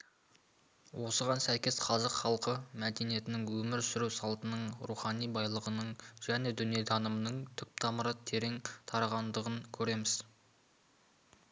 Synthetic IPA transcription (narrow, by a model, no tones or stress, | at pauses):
wʔo̞səʁɑnsæjkʲe̞sqʰɑzəqχɑlˠqəmæd̪e̞nije̞t̪ɪnɪŋwɵmɪɾsʏɾuwsɑlˠt̪ənəɴɾuχɑnijbɑjlˠəʁənəɴʒ̥æne̞d̪ʏnijed̪ɑnəmənəɴt̪ʰʏp̚t̪ʰɑməɾət̪ʰe̞ɾe̞ŋt̪ʰɑɾɑʁɑnd̪əʁənkʲʰɵɾe̞mɪz̥